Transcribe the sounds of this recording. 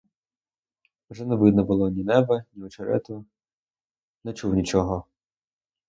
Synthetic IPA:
wʒɛnɛʋɪd̪nɔbʊlˠɔnʲinɛbɐnʲiɔt͡ʃɐɾɛ̰t̪ʊ | nɛt͡ʃuwnʲit͡ʃɔɦɔ

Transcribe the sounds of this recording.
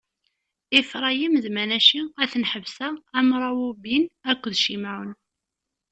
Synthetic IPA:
ifɾˤɑjimzmænæʃiæθənħəvsæːmɾˤɑwubinækʷːðʃimaʕən

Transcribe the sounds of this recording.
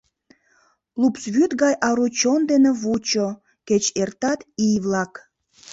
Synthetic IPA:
lupsβyt̪ɣɑjʔɑɾut͡ɕond̪eneβut͡ɕo | ket͡ɕert̪ɑt̪ijβlɑk

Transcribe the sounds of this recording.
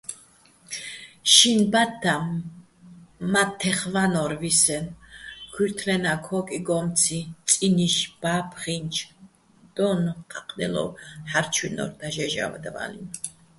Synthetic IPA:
ʃinbat̪ːa | mat̪ʰːɛχvanɔɾvisɛnkʰwiɾt̪ʰlɛnakʰɔkʼiɡɔmt͡sʰit͡s̪ʼiniʃb̥apʰχint͡ʃʰ | d̪̥ɔnqʰʼaqʼnɛ̰lɔ̰ħaɾt͡ʃʰinɔ̰ɾd̪aʒɛʒa̰va̰d̪va̰lḭn

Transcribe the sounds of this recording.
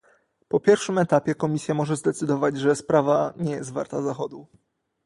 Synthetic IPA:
pɔpʲjɛɾfʂɘmɛt̪apʲjɛkɔmʲisʲjamɔʐɛzd̪ɛt̪sɘd̪ɔvad͡ʑʐɛspɾavaɲɛjɛst̪va̰ɾt̪azaxɔd̪u

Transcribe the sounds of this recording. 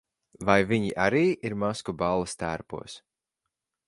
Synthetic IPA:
vajviɲiʔaɾiːʔiɾmaskubalˠːɐst̪æːɾpṵɔs

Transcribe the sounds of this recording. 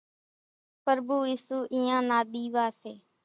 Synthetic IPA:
pəɾbuːiːsuːʔiːãːnaːɗ̪iːʋaːseː

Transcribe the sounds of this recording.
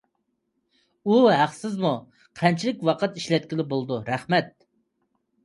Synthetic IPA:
uɦæχsɪzmu | qʰɛnt͡ʃʰilɪkʲwɑqət̪iʃlɛt̪̚kʲilɪbolˠd̪uɾæχmɛt̪̚

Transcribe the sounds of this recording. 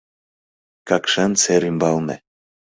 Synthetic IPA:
kɑkʃɛnseɾimbɑlnḛ

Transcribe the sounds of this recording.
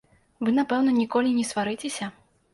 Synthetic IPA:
vɨnapɛwnɐnʲikɔlʲinʲɛsvaɾɨt͡sʲesʲɐ

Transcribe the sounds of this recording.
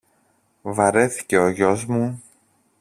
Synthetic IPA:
vɐɾe̞θi̥ce̞o̞ʝo̞zmu

